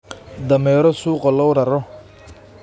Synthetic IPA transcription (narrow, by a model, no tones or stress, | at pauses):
d̪ɐmɛːɾɔsuːqɔlɔwɾɐɾɔ